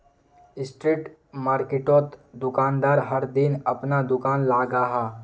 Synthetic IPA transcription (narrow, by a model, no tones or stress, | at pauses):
ɪsʈɾiːʈ | maːɾkeʈoːt̪d̪ʊkaːnd̪aːɾɦəɾd̪ɪnɐpnad̪ʊkaːnlaːɡaːɦaː